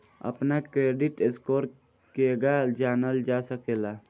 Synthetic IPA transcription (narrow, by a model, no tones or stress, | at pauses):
ə̰pnakɾeːɖɪʈeskoːɾ | keːɡad͡ʒaːnəld͡ʒaːsəkeːlaː